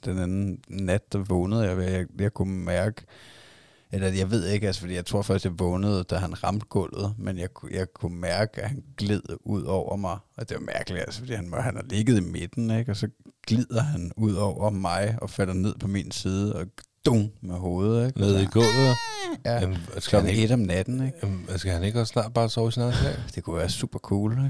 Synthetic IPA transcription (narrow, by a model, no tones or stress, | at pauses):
d̥enænn̩næd̥̚d̥ɑ̈ʋɔːnəð̞̩ˠjɑjaɪjɑ̈ɪkʰumæɐɡ̥ə | elɐjɑ̈ɪʋe̝ð̞̰ˠe̝ɡ̥ælsə̥fɒ̽d̥ḭjaɪt͡sʰʁo̝ɐ̰fɶsd̥jɑ̈ɪʋɔːnəð̞̩ˠd̥æɦænʁɑ̈md̥̚ɡ̥ɔl̰ð̩ˠmenjɑ̈ɪjɑ̈ɪkʰumæɐɡ̥əæhænɡ̥leð̞̰ˠuð̞̰ˠɒʊ̰ɐmɑ̈ɪɒ̽d̥e̝ʋɑ̈mæɐɡ̥əli̥ælsə̥fɒd̥ḭːhænhænhɑ̈le̝ɡ̥əð̞̩ˠimed̥n̩eɡ̥ɒ̽sɒ̽ɡ̥lið̰ˠɐɦænuð̞̰ˠɒʊ̰ɐmɑ̈ɪɒ̽fæl̰ɐne̝ð̰ˠpʰɒ̽mḭnsiːð̞ˠəɒ̽d̥oŋmeɦoːð̞̩ˠeɡ̥neð̰ˠiɡ̥ɔlð̩ˠjælɒ̽ɡ̩e̝d̥ɒ̽mnæd̥n̩eɡ̥sɡ̥æhæne̝ɡ̥æsnɑ̰̈ːd̥̚b̥ɑ̈ːsɒʊisinæð̩sɛ̰ɪ̰d̥e̝kʰuʋæːɐsṵːb̥ɐkʰuːlɡ